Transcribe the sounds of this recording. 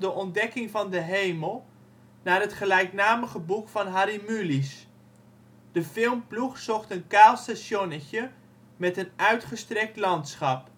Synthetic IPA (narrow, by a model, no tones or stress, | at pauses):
dəʔɔndɛkɪŋvɑndəɦejməlˠ | naːrɦətχəlɛjknaːməχəbukfɑnɦaɾimylis | d̥əfɪlˠmpluχsɔχtənkaːlˠstaʃɔnəçə | mɛtənœɥtχəstrɛk̚tlɑntsχɑp